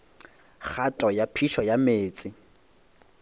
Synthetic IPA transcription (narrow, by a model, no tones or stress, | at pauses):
χʰatʼɔjapʰiʃɔjameːt͡sʼɪ